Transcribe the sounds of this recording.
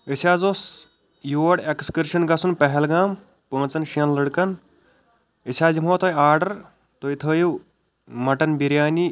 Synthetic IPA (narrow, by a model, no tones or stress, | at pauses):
isʰʲaːzoːs | joːɽekskəɾʃɐnɡɐsunpɐɦɛlɡaːm | pə̃ːnt͡sɐnʃiɐnlɨɽkɐn | isʰʲaːzimoːt̪ʰojaːɾɖɐɾ | t̪oit̪ʰəːju | mɐʈɐnbiɾjaːni